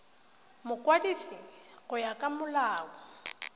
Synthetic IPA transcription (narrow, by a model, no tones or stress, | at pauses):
mʊkʼwadisi | ɣʊjakʼamʊlaːwɔ